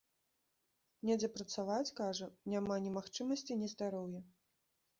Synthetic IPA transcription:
nʲɛd͡zʲɛpɾɐt̪savat͡sʲkaʐɐnʲamanʲɛmaxt͡ʂɨmɐsʲt͡sʲinʲɛzd̪aɾɔwjɛ

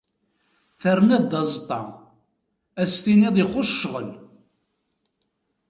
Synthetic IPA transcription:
θərnæðd̪ɑzˤt̪ˤːɑ | æst̪iniðˤiχʊʃːʁəl

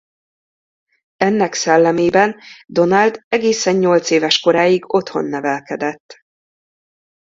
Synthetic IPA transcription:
ɛnːɛksɛlːɛmeːbɛnd̪o̞nald̪ɛɡeːsɛɲːo̞lt̪seːvɛʃko̞ɾaːjiɡo̞t̪ho̞̰nːɛvɛlkɛd̪ɛt̪ː

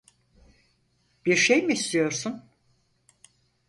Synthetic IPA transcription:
b̥iɾʃejmiːst̪ijo̞ɾsun

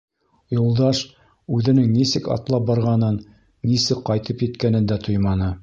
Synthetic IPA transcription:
julˠd̪ɑʃ | ʉðɘ̆nɘŋnisɘkɑ̰t̪lˠɑp̚bɑɾʁɑnɤnː | isɘkqːɑjt̪ɤpjɘ̆t̪kænɘ̆nd̪æt̪ʰojmɑnɤ

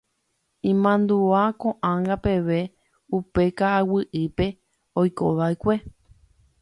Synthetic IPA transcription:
ĩmãnd̪uakõʔãŋɡape̞ʋe̞ | upe̞kaʔawɨʔɨpe̞ | ojko̰ʋaekʷe

